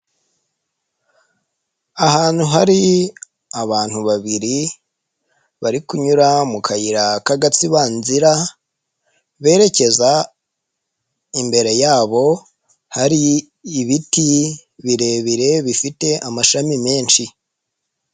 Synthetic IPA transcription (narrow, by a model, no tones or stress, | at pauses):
ahaːn̥huɦaɾi | aβaːn̥huβaβiɾi | βaɾikuɲuɾamukʰajiɾakaɡat͡siβaːnziɾa | βe̞ːɾe̞ce̞za | imbe̞ɾe̞jaːβo̞ | haɾiː | βitiβiɾe̞βiɾe̞βifite̞ʔamaʃamime̞ːnʃi